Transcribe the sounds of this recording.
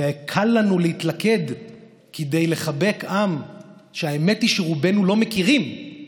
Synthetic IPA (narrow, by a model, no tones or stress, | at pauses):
ekʰalːanulehit̪lake̞d | kid̪ejle̞χabe̞kamʃeaeme̞tiʃeʁube̞nulo̞me̞kiʁim